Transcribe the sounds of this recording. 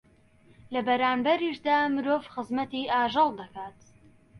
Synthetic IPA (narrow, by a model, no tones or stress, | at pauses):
lɐbɐɾaːmbɐɾiːʃd̪aːmɨɾoːvxɨzmɐt̪iːʔaːʒɑlˠd̪ɐkaːt̪